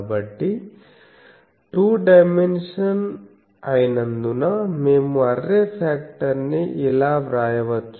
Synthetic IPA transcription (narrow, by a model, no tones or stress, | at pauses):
bɐʈːi | ʈuːɖɐjmenʂɐn | ɐjnɐnd̪unɐmeːmuɐrːepʰaːk̚ʈɐɾnːiʔilaːʋɾaːjɐʋɐt̪ː